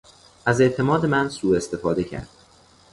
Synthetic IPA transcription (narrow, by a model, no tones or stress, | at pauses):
ʔæze̞ʔt̪ʰe̞mɒːd̪e̞mænsuːe̞st̪e̞fɒːd̪e̞cʰæ̰ɾd̪̥